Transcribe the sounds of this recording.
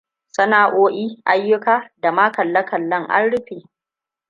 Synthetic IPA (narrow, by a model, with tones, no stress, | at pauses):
sʼɐ˦naː˨ʔoː˦ʔiː˦ʔa˨jːʊ˦kaː˦da˨maː˦kɐ˨lːɐ˦kɐ˨lːɐ˦˨ŋʔa̰˦nɽʊ˦ɸeː˨